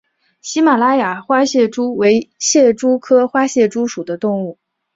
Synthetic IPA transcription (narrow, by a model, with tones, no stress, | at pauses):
ɕi˥ma˨˩la˥ja˨˩xwa˥ɕjɛ˥˩ʈ͡ʂu˥we˧˥ɪɕjɛ˥˩ʈ͡ʂu˥kʰɤ˥xwa˥ɕjɛ˥˩ʈ͡ʂu˥ʂu˨˩d̪ə˦t̪ʊ˥˧ŋu˥˩